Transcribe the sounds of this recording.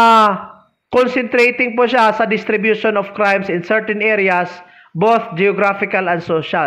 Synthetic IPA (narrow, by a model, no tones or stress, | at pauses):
a | konsɛnt̪ɾejt̪ɪŋpʊʃasɐd̪ɪst̪ɾɪbjuʃonɔfkɾajmsɪnsɛɹt̪ɛnʔɛɾɪjɐs | bowθd͡ʒɛoɡɾafɪkɐlɐnd̪soːʃa